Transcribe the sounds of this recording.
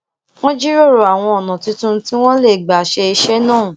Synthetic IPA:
w̃ɔ̃˦d͡ʒi˦ɾo˦˨ɾo˨a˨w̃ɔ̃˧ɔ˨nã˨ti˨˧tũ˦ti˦w̃ɔ̃˦le˦˨ɡ͡ba˨ʃe˧i˧ʃe˦nãː˦˨

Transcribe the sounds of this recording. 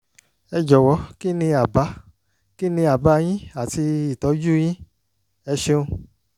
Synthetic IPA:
ɛ˧d͡ʒɔ˨wɔ˨˦ki˦nĩ˧a˨ba˨˦ | ki˦nĩ˧a˨ba˦˧j̃ĩ˦a˨ti˧i˨tɔ˨˦d͡ʒu˦j̃ĩ˦ | ɛ˧ʃe˧ũ˧

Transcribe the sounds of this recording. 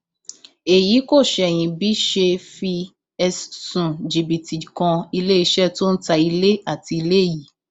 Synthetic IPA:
e˨ji˨˦ko˦˨ʃɛ˧˨j̃ĩ˧bi˨˦ʃe˧fi˧ | ɛ˧stũ˨d͡ʒi˨bi˨ti˨kã˧i˧le˦i˧˦ʃɛ˦to˦n̩˦ta˧i˧le˦a˦˨ti˧i˧le˦˨ji˨

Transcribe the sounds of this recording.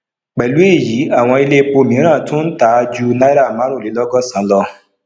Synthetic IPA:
k͡pɛ˨lu˨˦e˦˨ji˨˦a˦˨w̃ɔ̃˧i˧le˦k͡po˧˨mĩ˨˦ɾ̃ã˦˨tũ˦n̩˦ta˨˦˧d͡ʒu˦na˦i˦ɾa˦˨mã˨˦ɾ̃ũ˦˨le˨˦lɔ˦ɡɔ˦˨sã˨˦lɔ˧

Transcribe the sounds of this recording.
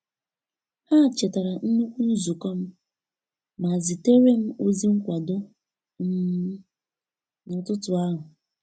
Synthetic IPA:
ha˦˨t͡ʃe˨ta˨ɾa˨n̩˦nu˦kʷu˦n̩˦zu˨kɔ˦m̩˦ | ma˨zɪ˨te˦ɾe˦m̩˦o˦zi˦ŋ̩˦kʷa˨dʊ˦ | m̩˦ | nʊ˨tʊ˦tʊ˨a˦ɦʊ˨

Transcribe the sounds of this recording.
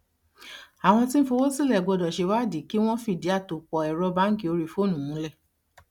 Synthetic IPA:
a˨w̃ɔ̃˧ti˦ñ̩˦fo˧wo˦si˦˨lɛ˦˨ɡ͡bɔ˧dɔ˨ʃe˧wa˦˨di˨˦ki˦w̃ɔ̃˦fi˦˨di˨˦a˦˨to˨k͡pɔ˨ɛ˨ɾɔ˧ba˨˦ŋ̩˦ki˦˧o˧ɾi˧fo˦˨nũ˨ũ˨˧˦lɛ˦˨

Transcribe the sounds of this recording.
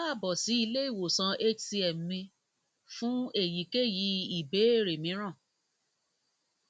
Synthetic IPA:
a˦˨bɔ˨si˨˦i˧le˦i˦˨wo˨sã˧e˦si˧ɛ˨m˨mĩ˧ | fũ˦e˦˨ji˨˦ke˦ji˨˦i˨be˨˦e˦˨ɾe˨mĩ˨˦ɾ̃ã˦˨

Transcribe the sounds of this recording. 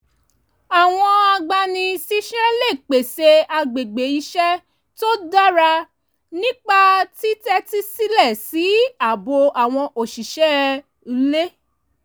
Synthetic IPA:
a˨w̃ɔ̃˧a˧ɡ͡ba˧nĩ˧si˦ʃɛ˦le˦˨k͡pe˨se˧a˧ɡ͡be˨ɡ͡be˨˦i˧ʃɛ˦ | to˦da˦ɾa˧ | nĩ˦k͡pa˦ti˦tɛ˦ti˦si˦lɛ˦˨si˨˦a˦˨bo˧a˨w̃ɔ̃˧ʔo˨ʃi˨ʃɛ˦˧ | le˦

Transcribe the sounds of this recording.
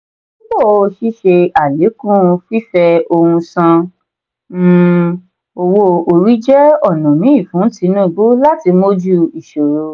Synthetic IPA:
õ˦ɡ͡bo˦˨˧o˧ʃi˦ʃe˧a˨le˨˦kũ˦˧fi˦fɛ˧o˧hũ˧sã˧ | m̩̃˦ | o˧wo˧o˧ɾi˨˦d͡ʒɛ˦ɔ˦˨nã˨nĩ˨˦i˦˨fũ˨˦ti˨˦nũ˦˨ɡ͡bo˦la˦ti˧mo˦d͡ʒu˦i˨ʃo˨ɾo˨˦

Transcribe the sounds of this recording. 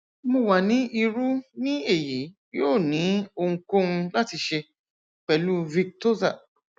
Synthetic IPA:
mõ˧wa˨nĩ˨˦ʔi˧ɾu˦nĩ˦e˦˨ji˨˦ | joː˦˨nĩ˨˦o˧ŋ̩˧ko˦ũ˧la˦ti˧ʃe˧ | k͡pɛ˨lu˦vi˧k̚to˦za˦˨

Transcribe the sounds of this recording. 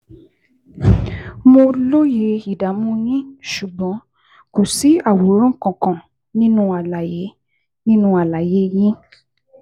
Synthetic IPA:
mo˧lo˦je˨i˨da˨˦mũ˦jĩ˦ʃu˨ɡ͡bɔ̃˨˦ | ko˨si˨˦a˦˨wo˨˦ɾ̃ɔ̃˦ŋ̩˦˨kɔ̃˨kɔ̃˨ | nĩ˦nũ˧˦a˨la˨je˨˦ | nĩ˦nũ˧˦a˨la˨je˨˦jĩ˦

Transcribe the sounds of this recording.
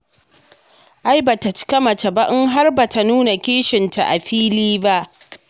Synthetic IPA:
ʔa˦jba˨ta˨t͡ʃɪ̥˦kɐ˦mɐ˨ta˨ba˦ʔɪ˦ŋɦa˦rba˨ta˨nuː˦na˨kʲeː˦ʃɪ˨ntʰa˨ʔa˨ɸiː˦liː˦ba˦ʔ

